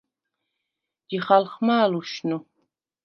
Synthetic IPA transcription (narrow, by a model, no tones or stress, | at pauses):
d̪̥iχalχmaːluʃnu